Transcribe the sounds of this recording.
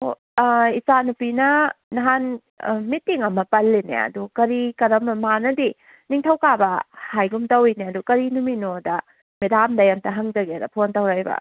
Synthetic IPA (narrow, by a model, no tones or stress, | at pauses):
o | isanupinɐnɐɦan | mitːiŋɐmɐpɐlːenḛɐ̰dukɐɾikɐɾɐmɐmanɐdi | niŋtʰɐwkabɐhajɡumtɐwineɐdukɐɾinuminodɐ | midamdɐjamtɐɦɐŋdɐɡedɐpʰontɐwɾajbɐ̰